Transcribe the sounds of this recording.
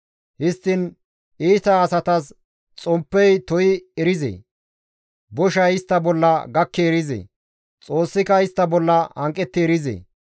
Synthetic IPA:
hɪst̪ːɪn | iːt̪ɐːsɐt̪ɐs | t͡sʼɔmpːɛjt̪ɔjɪɛɾɪzḛː | bɔʃɐjɪst̪ːɐbɔlːɐɡɐkːeːɾɪzḛː | t͡sʼo̞ːsːɪkɐɪst̪ːɐbɔlːɐhɐŋkʼːɛt̪ːeːɾɪzḛː

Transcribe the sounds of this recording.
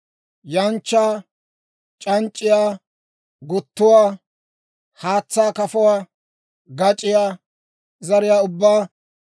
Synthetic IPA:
jɐnt͡ʃːaː | t͡ʃʼɐnt͡ʃʼːɪjaː | ɡʊt̪ːʊwaː | haːt͡sːaːkɐfʊwaː | ɡɐt͡ʃʼːɪjaː | zɐɾɪjaːʊbːaː

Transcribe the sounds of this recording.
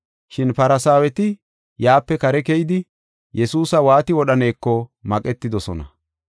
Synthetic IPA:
ʃɪnpɐɾɐsaːwɛt̪ɪ | jaːpːɛkɐɾɛkɛjɪd̪ɪ | jɛsuːsɐwaːt̪ɪwɔɗɐne̞ːkːɔmɐkʼɛt̪ːɪd̪ɔsɔ̰nɐ̰

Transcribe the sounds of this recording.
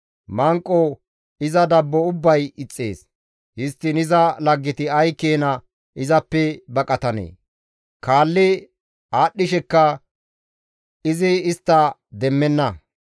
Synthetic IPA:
mɐŋkʼːɔ | ɪzɐd̪ɐbːɔʊbːɐjɪt͡sʼːe̞̰ːs | hɪst̪ːɪnɪzɐlɐɡːɪt̪ɪɐjkːeːnɐ | ɪzɐpːɛbɐkʼɐt̪ɐnḛː | kaːlːɪ | aːɗːɪʃɛkːɐ | ɪzɪːst̪ːɐd̪ɛmːɛnːɐ

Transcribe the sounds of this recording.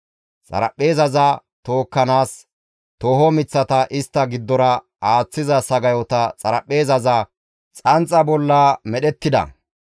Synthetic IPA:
t͡sʼɐ̰ɾɐpːe̞ːzɐzɐ | t̪o̞ːkːɐnaːs | t̪oːɦɔmɪt͡sːɐt̪ɐʔɪst̪ːɐɡɪd̪ːɔɾɐ | aːt͡sːɪzɐsɐɡɐjɔt̪ɐt͡sʼɐɾɐpʼːe̞ːzɐzɐ | t͡sʼɐnt͡sʼɐbɔlːɐmɛɗɛt̪ːɪd̪ɐ̰

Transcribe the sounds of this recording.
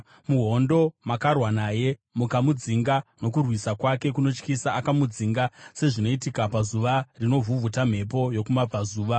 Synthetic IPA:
muɦo̞ndo̞makarwanaːje̞mukamud͡ziŋɡano̞kurwisakwake̞kuno̞t͡ʃkisaːkamud͡ziŋɡase̞ʐino̞itikapazuʋarino̞vuvutam̤e̞p̬o̞jo̞kumab͡vazuːʋa

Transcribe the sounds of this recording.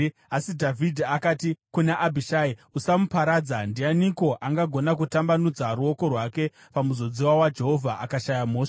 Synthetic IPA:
asidʱavʱidʱiakaːtikunaʔabʱiʃaːiusamupaɾaːd͡zandianiko̞ʔaŋɡaɡʱo̞nak̬utambanud͡zaɾuo̞ko̞rwake̞ | pamuzo̞d͡ziwawad͡ʒe̞ɦo̞vʱaʔakaʃajamoːʂ

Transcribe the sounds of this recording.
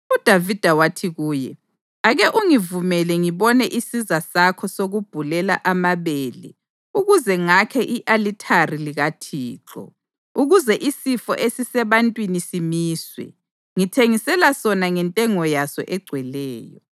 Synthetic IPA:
ud̥ʱavid̥ʱawatʰiɣuːjɛ | aɣɛʔuŋivumɛlɛŋiβɔnɛʔisizasakʰɔsoɣub̥ʱulɛla̰ʔamaβeːlɛ̰ | uɣuzɛŋakʰɛʔiʔalitʰariliɣatʰiːǁɔ̰ | uɣuzɛʔisifɔ̰ʔesisɛβantʼwinisimiːswɛ̰ | ŋitʰeŋisɛlasɔnaŋɛntʼɛŋɔjasɔ̰ʔɛɡ͡ǀʱwɛlɛːjɔ

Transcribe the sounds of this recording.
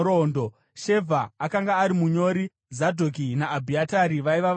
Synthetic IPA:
ɾoːndo | ʃe̞vʱaːkaŋɡaːɾimuɲo̞ɾi | zadʱoɡʱinaːbʱiataɾiʋaiʋa

